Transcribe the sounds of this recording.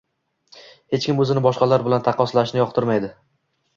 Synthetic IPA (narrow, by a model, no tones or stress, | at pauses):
he̞t͡ʃkʲɪmɵzɪnɪbɒʃqɑlaɾbɪlant̪ʰaqʰɒslaʃnɪjɒq̚t̪ʰɪɾmajd̪ɪ